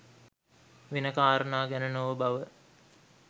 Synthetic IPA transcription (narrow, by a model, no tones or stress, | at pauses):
ʋinəkaːɾənaːɡænənoʋəbaʋə